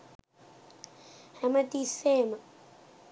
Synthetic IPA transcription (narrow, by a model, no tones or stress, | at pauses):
hamatisɛːma